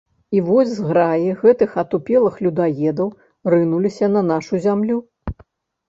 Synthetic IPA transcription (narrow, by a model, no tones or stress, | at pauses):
ivɔzʲzɣɾajiɣɛt̪ɨxɐt̪upʲɛlˠɨxlʲud̪ajɛd̪ɐw | rɨnulʲisʲɐnɐnaʂuzʲamlʲu